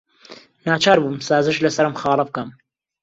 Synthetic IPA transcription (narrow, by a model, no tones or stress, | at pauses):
naːt͡ʃʰaːɾbuːmsaːzɨʃlɐsɐɾɨmχɑːlɐf̚kɐm